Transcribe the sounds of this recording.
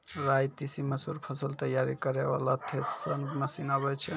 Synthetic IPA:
ɾajt̪isiməsuɾpʰəsəlt̪əjaɾikəɾeβa̰lat̪ʰessənməsinəβɛt͡ʃʰɛ

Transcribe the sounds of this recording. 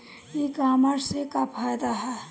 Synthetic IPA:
ikaːmaɾsekapʰaːjd̪aɦɛ

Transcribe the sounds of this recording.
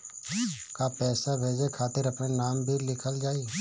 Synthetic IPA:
kapɛːsabʱeːd͡ʒekʰaːt̪ɪɾɐpnenaːmbʱilɪkʰəld͡ʒaːi

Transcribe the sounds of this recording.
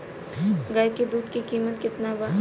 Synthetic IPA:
ɡɐjkid̪uːd̪kikiːmət̪kɪt̪naba

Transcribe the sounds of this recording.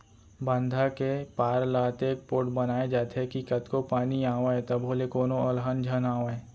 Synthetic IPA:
bə̃nd̪ʱakepaːɾlaːt̪eːk̚poːʈbɐnaːed͡ʒaːt̪ʰekikɐt̪kopaːniaːʋaet̪ɐbʱɦoːlekoːnoɐlɦənd͡ʒʱɐnaːʋae

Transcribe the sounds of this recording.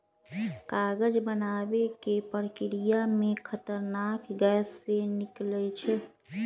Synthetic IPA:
kaɡəd͡ʒbənabekepəɾkiɾijamekʰət̪əɾnakɡɛsːeniklɛt͡ʃʰɛ

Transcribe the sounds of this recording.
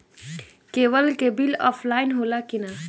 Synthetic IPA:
kebəlkebilɔ̰pʰlainɦolakina

